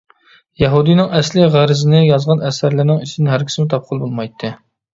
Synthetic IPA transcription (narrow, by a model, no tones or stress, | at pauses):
jɛɦud̪ijnɪŋɛslɪʁæɾɪzɪnɪjɑzʁɑnɛsæɾlɪɾnɪŋit͡ʃʰinɪɦæɾkʲi̥sɪmɪt̪ʰɑp̚qʰʊlˠbolˠmɑjt̪ʰːɨ